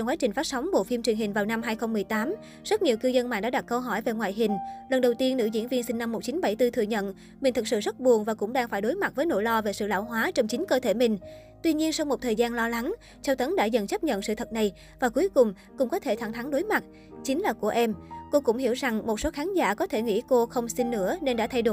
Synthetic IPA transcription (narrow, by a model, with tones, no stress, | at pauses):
ɔ˧wŋ͡mkwaː˨˦t͡ɕï˨˩ŋ̟faː˦˥t̚sa˨˦wŋ͡mɓo̰˧˨fi˧mt͡ɕwi˨˩əŋɦï˨˩ŋ̟vaː˨˩wna˧mɦaː˧jxə˧wŋ͡mːɨ˨˩əjt̪aː˨˦m | zə˦˥t̚ɲi˨˩əwkɨ˧zə˧nma̰ː˧˨nɗa̰ː˧˥ɗa˨˩t̚kːə˧wɦɔ˧˩jve˨˩ŋwa̰ː˧˨jɦï˨˩ŋ̟lə˨˩nɗə˨˩wt̪i˧ənːɨ̰˧˥zḭ˧˥nvi˧ənsï˧ŋna˧mːo˨˩t̚t͡ɕi˨˦nɓa˧˩jt̪ɨ˧t̪ʰɨ˧˨əɲə̰˧˨n | mï˨˩ŋ̟t̪ʰɨ˨˩k̚sɨ̰˧˨zə˦˥t̚ɓu˨˩ənvaː˨˩kʊ̰˧˥ŋ͡mɗaː˧ŋfaː˧˩jɗo˨˦jma˨˩t̚vəː˨˦jno̰˧˥˨jlɔ˧ve˨˩sɨ̰˧˨la̰ː˧˩wɦwaː˨˦t͡ɕɔ˧wŋ͡mt͡ɕi˨˦ŋ̟kəː˧t̪ʰe˧˩mï˨˩ŋ̟ | t̪wi˧ɲi˧ənsa˧wŋ͡mmo˨˩t̚t̪ʰəː˨˩jzaː˧nlɔ˧la˨˦ŋ | t͡ɕa˧wt̪ə˨˦nɗa̰ː˧˥˩zə̰˧˨nt͡ɕə˦˥p̚ɲə̰˧˨nsɨ̰˧˨t̪ʰə˨˩t̚na˨˩j | vaː˨˩ku˨˦jkʊ˨˩ŋ͡m | kʊ̰˧˥ŋ͡mkɔ˨˦t̪ʰe˧˩t̪ʰa˧˩ŋt̪ʰa˨˦ŋɗo˨˦jma˨˩t̚ | t͡ɕï˨˦ŋ̟laː˨˩ku˧˩əʔɛ˧mko˧kʊ̰˧˥ŋ͡mhi˧˩əwza˨˩ŋmo˨˩t̚so˨˦xaː˨˦nza̰ː˧˥kɔ˨˦t̪ʰe˧˩ŋḭ˧˥ko˧xə˧wŋ͡msi˧nːɨ̰˧˥əne˧nɗa̰ː˧˥t̪ʰa˧jɗo˧˩